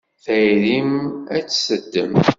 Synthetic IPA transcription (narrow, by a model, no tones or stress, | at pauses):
θæjɾimæt͡sːsəd̪ːəm